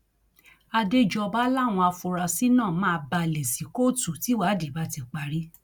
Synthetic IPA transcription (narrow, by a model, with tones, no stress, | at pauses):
a˧de˦d͡ʒɔ˧ba˦la˦˨w̃ɔ̃˧a˧fu˧ɾa˧si˦nãː˦˨mã˦˧ba˧le˨si˨˦ko˦˨tu˨ti˨˦wa˦di˨ba˦ti˧k͡pa˧ɾi˦